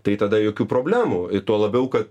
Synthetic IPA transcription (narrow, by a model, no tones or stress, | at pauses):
t̪ɐɪt̪ɐd̪ɐjoːkʲuːpɾoːbʲlʲæːmuːɪt̪uɔlˠɐbʲɛʊkɐt̪̚